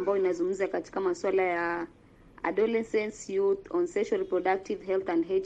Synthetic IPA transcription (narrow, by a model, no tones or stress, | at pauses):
mbajɔinazuum̩zakati̥kamaswalaja | a̰ɗɔlɛsɛnsjuθɔnsɛʃalpɾɔɗak̚tivhɛlθandɦɛ